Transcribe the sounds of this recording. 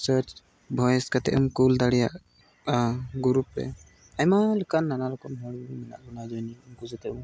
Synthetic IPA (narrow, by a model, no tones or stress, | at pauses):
səɾt͡ʃ | bʱɔjɛskat̪ɛ̰ʔumkuld̪aɽijaʔ | ɡuɾupɾɛ̰ | ajmaləkanːanalɔkɔmɦɔɽmɛna̰ʔɡɔnad͡ʒɔjniumkud͡ʒɛt̪ɛʔu